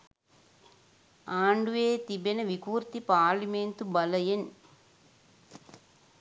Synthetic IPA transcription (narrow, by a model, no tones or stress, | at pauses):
aːɳɖueːt̪ibenɐʋikuːɾt̪ipaːɾliment̪ubɐlɐjen